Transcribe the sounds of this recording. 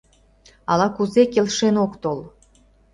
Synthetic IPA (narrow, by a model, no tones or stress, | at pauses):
ɑlɑkuzekelʃenokt̪ol